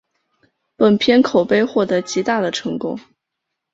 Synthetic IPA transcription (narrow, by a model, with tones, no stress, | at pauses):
pə˨˩npʰjɛ˥nkʰo˨˩ʊpe˥˧ɪxwɔ˥˩t̪ɤ˧˥t͡ɕi˧˥t̪a˥˩d̪ə˩ʈ͡ʂʰɤ˧˥ŋkʊ̰˥ŋ